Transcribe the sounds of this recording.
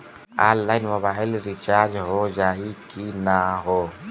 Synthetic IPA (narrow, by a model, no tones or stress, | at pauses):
a̰ːlːaːɪnməbaːɪlɾɪt͡ʃaːd͡ʒɦod͡ʒaːikinaɦoː